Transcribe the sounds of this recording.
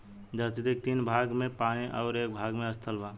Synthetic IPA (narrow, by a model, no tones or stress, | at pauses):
d͡ʒət̪it̪ek̚t̪iːnbʱaːɡmẽpaːniʔɔ̰ʊɾeːk̚bʱaːɡmẽəst̪ʰəlba